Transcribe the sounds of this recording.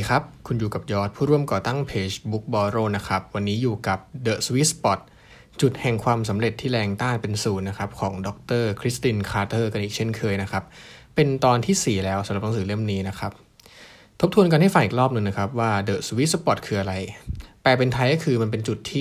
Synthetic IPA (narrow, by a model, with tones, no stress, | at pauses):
kʰa˦˥p̚kʰu˧njuː˨˩ka˨˩p̚jɔː˦˥t̪̚ʰuː˥˩ɾu˥˩əmkɔː˨˩t̪a˥˩ŋpʰeː˧t͡ɕbu˦˥k̚bɔː˧ɾoː˧˩na˦˥kʰa˦˥p̚wa˧nːiː˦˥juː˨˩ka˨˩p̚dɤː˨˩swi˦˥spɔ˨˩t̪̚ | t͡ɕu˨˩t̪̚hɛ˨˩ŋkʰwaː˧ms̬a˩˦mɾe˨˩t̪ʰːiː˥˩lɛː˧ŋt̪aː˥˩npe˧nsuː˩nːa˦˥kʰa˦˥p̚kʰɔː˩˦ŋdɔ˨˦˥k̚t̪ɤː˥˩kʰɾi˦˥st̪iː˧nkʰaː˧˥t̪ɤː˥˩ka˧nʔiː˨˩k̚t͡ɕʰe˥˩nkʰɤː˧jna˦˥kʰa˦˥p̚ː | e˧nt̪ɔː˧nt̪ʰiː˥˩siː˨˩lɛː˦˥wsa˨˩˦mɾa˨˩pna˦ŋsɯː˩˦lɯ˥˩əmniː˦˥na˦˥kʰa˦˥p̚ | t̪ʰo˦˥p̚t̪ʰu˧ənka˧nha˥˩jfa˨˩ʔiː˨k̚ɾɔː˥˩p̚nɯ˧ŋna˦˥kʰa˦˥p̚waː˥˩dɤː˨˩swi˦˥t̪̚spɔ˨˩t̪̚kʰɯː˧ʔa˧ɾa˧jt̪ɛː˨˩pe˧nt̪ʰa˧jkɔ˥˩kʰɯː˧ma˧np̬e˧nt͡ɕu˨˩t̪ʰːiː˥˩